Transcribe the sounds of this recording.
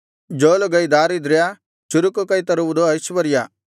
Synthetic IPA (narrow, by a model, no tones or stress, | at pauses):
d͡ʒoːloɡɐjd̪aːɾid̪ɾja | t͡ʃuɾukokɐit̪ɐɾuʋud̪oɐʃʋɐɾja